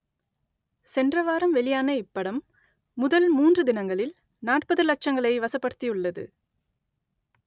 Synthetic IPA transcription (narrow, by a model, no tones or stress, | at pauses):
sɛndrɐʋaːɾɐmʋɛɭɪjaːnɐɪpːɐɽɐmː | ʊðɐlmuːndrɯd̪ɪnɐŋɡɐɭɪl | naːʈ̚pɐðɯlɐt͡ʃːɐŋɡɐɭɐɪʋɐsɐpːɐɽɯt̪ːiɯɭːɐðɯ̰